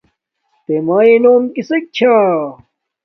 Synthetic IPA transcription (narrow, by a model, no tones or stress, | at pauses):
t̪emaːinoːmkisek̚t͡ɕʰa